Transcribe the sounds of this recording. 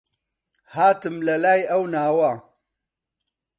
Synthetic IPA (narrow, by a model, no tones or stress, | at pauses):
haːt̪ɨmlɐlaːjɐwnaːwɐ